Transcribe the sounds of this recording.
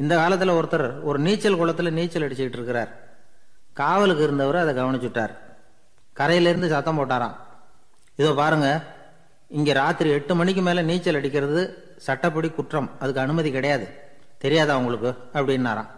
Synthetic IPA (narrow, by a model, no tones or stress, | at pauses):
ɪnd̪ɐkaːlɐt̪ːɪlɐɔɾɯt̪ːɐɾɐɾɔɾɯniːt͡ʃːɐlkɔɭɐt̪ːɯlɐniːt͡ʃːɐlɐɽɪt͡ʃːɯjɪʈːɪɾɯkːɪɾa̰ːɾ | kaːʋɐlɯkːɯɪɾɯnd̪ɐʋɐɾɯɐðɛɡɐʋɐɳɪt͡ʃːɯʈːa̰ːɾ | kɐɾɐjɪlɪɾɯnd̪ɯsɐt̪ːɐ̃mpoːʈːaːɾã̰ː | ɪðoːpaːɾɯŋɡɐ | ɪŋɡeːɾaːt̪ːɪɾiɛʈːɯmɐnɪk̬ʲːɯmeːlɐniːt͡ʃːɐlɐɽɪkːɪɾɐðɯ | sɐʈːɐpːɐɽikʊʈrɐmɐðɯkːɯɐnɯmɐðikɪɽɐjaːðɯ | t̪ɛɾɪjaːðaːʊŋɡɐɭɯkːɯ | ɐpːɐɽɪnːa̰ːɾã̰ː